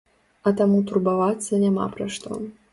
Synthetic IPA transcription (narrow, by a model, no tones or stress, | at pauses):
ɐt̪amut̪urbavat̪sːɐnʲama̰pɾɐʂt̪ɔ̰